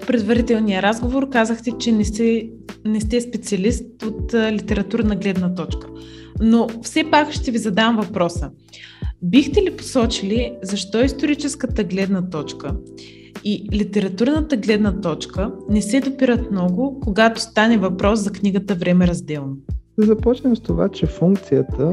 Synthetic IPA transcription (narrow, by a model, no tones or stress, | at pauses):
pɾɛd̪vɐɾit̪ɛlˠnijəɾazɡovoɾkazəxt̪ɛt͡ʃɛnɛɛnɛst̪ɛspɛt̪siɐlist̪ot̪lit̪ɛɾɐt̪uɾnəɡlɛd̪nət̪ɔt͡ʃkə̥nofsɛpakʃt̪ɛvizɐd̪amvɐpɾɔsə | bixt̪ɛlipo̥sɔt͡ʃilizɐʃt̪ɔɛist̪oɾit͡ʃɛskət̪əɡlɛd̪nət̪ɔt͡ʃkə | ilit̪ɛɾɐt̪uɾnət̪əɡlɛd̪nət̪ɔt͡ʃkənɛsɛd̪opiɾət̪mnɔɡʊkoɡat̪o̥st̪anɛvɐpɾɔszɐkniɡət̪əvɾɛmɛɾɐzd̪ɛlˠnod̪ɛzɐpɔt͡ʃnɛmst̪ova̰t͡ʃɛfuŋk̚t̪sijət̪ə